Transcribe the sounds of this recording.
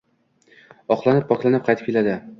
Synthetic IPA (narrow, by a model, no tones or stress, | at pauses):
ɒqlˠanɪp̚ʰːɒklˠanɪp̚qʰɑjt̪ɪp̚kʰʲelad̪ɪ